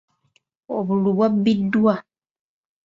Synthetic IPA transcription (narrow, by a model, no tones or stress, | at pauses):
oβuluβwabːidwa